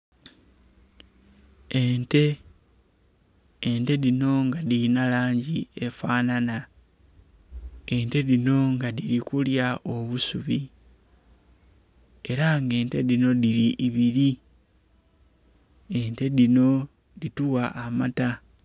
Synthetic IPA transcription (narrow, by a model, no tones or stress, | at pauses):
ente̞ | nte̞ðino̞ŋɡaðiinalaːɲɟie̞faːnana | e̞nte̞ðino̞ŋɡaðiɾikuljao̞βusuβi | e̞ɾaŋɡe̞ːnte̞ðino̞ðiɾiʔːβiɾi | ente̞ðino̞ | ðituwaʔːmata